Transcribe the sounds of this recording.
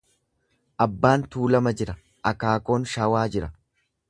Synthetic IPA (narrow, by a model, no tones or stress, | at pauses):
ʔɐbːaːnt̪uːlɐmɐd͡ʒɪɾɐ | ʔɐkaːko̞ːnʃaːwaːd͡ʒɪɾɐ